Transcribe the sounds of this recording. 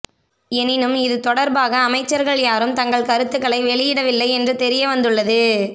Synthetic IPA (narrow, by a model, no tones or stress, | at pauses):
ɛnɪnɯmɪðɯt̪ɔɽɐɾbaːɣɐːmɐɪt͡ʃːɐɾɣɐɭjaːɾɯmt̪ɐŋɡɐɭkɐɾɯt̪ːɯɣɐɭɐɪʋɛɭɪjɪɽɐʋɪlːɐɪɛndrɯt̪ɛɾɪjɐʋɐnd̪ɯɭːɐðɯ